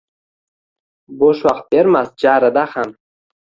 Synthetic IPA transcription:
boʃwaqt̪̚beɾmas̚d͡ʒaɾəd̪aχan

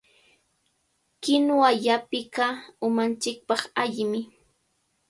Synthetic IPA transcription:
kɪnwaʎapɪkaʊmant͡ʃɪk̚pɑχaʎɪmɪ

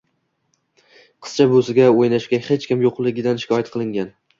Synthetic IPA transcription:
qʰɨ̥st͡ʃʰabosɪɡʲaojnaʃɡʲahet͡ʃkʲɪmjoqlˠɪɡʲɪd̪anʃɪ̥kʲʰɒjat̪̚qʰɨlˠɪŋɡʲan

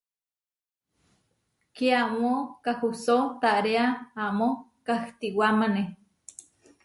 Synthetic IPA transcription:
kiaʔmokahusot̪aʔɾeaamokaht̪iwamane

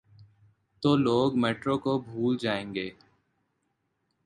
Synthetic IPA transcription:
t̪oːloːɡmeːʈɾõkobʱuːld͡ʒaːẽːŋɡeː

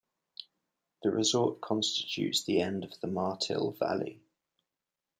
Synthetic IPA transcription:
ðəɹʔɪzɔˑʔkʰɒ̃nstɪ̥t͡ʃʉ̰ˑtsðiɛ̃ndəvðəmɑˑtʰɪ̰lˠva̰lḭ

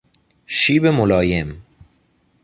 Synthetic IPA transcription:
ʃiːbemolɑːjem

